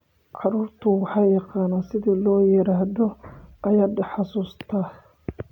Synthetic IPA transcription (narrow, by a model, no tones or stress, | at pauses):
ʕɑɾuːrt̪ʰʊwɑħɑːjɑqɑːnasɪðiːlɔːjɛɾaːhðɔʔɐjɐːd̪ɐħɑsuːst̪ʰa